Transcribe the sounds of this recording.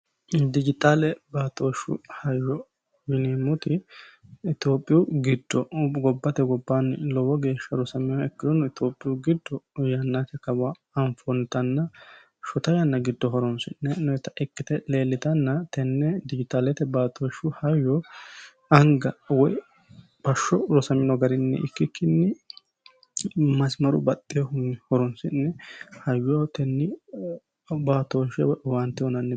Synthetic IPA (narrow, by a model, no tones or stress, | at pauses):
d̪ɪd͡ʒɪt̪aːlɛbaːt̪ʼoːʃːʊ̰hɐjːɔ | wɪnimːʊt̪ɪ | ɪt̪oːpʼːɪjuɡɪd̪ːɔɡɔbːɐt̪ɛɡɔbːanɪlɔwɔɡe̞ːʃːɐɾʊsɐmɛwɛkːɪd̪ɔnːʊɪt̪oːpʼːɪjʊɡɪd̪ːɔjɐnːat̪ɛkɐbaː | ɱfɔnɪt̪ɐnːɐ | ʃʊt̪ɐjɐnːɐɡɪd̪ːɔɦɔɾɔnsɪnːɛnʊɛt̪ɐʔɛkːɪt̪ɛle̞ːlːɪt̪ɐnːɐt̪ɛnːɛd̪ɪd͡ʒɪt̪alɛt̪ɛbaːt̪ʰoʃʊhɐjːɔ | ɐŋɡɐwɔj | b̥ɐʃːɔlɔsɐmɪnɔɡɐɾɪnːɛ̰ʔɪkːɪkːɪnːɪ | mɐsmɐɾʊ̰bɐt̪ʼːɪjɔhʊhɔɾɔnsɪnːɛhɐjːɔt̪ɛnːɪ | baːt̪oʃɛwɐnt̪ːɪɔnɐnːɛ